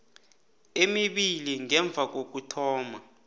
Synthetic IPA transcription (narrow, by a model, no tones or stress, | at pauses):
emiɓiliŋɛɱb̪vʱak̬ok̬utʰɔːma